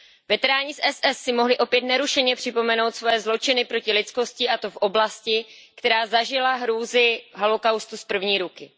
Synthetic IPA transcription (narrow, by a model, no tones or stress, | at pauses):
vɛt̪ɛɾaːɲɪsʔɛsʔɛsːɪmo̞ɦlɪʔo̞pjɛt̪nɛɾuʃɛɲɛpr̥ɪpo̞mɛno̞wt̪svojɛːzlo̞t͡ʃɪnɪpɾo̞cɪlɪt̪t͡sko̞scɪʔat̪o̞fʔo̞blascɪ | kt̪ɛɾaːzaʒɪlaɦɾuːzɪɦalokawst̪uspr̩vɲiːɾukɪ